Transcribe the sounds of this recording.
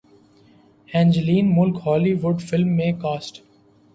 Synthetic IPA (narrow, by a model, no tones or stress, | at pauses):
ɛ̃ːɲd͡ʒəliːnmʊlkhɔːliʋʊɖfɪlmːẽkaːsʈ